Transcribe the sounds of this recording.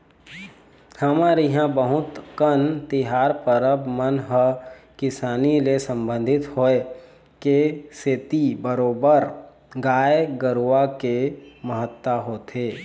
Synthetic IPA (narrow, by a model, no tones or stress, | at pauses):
həmaːɾiɦãbəɦʊt̪kənt̪iɦaːɾpəɾəbmənɦəkɪsaːnilesə̃mbə̃nd̪ʱɪt̪hoe | keseːt̪ibəɾoːbəɾ | ɡaːjeɡəɾuʋakeməɦət̪ːaɦoːt̪ʰeː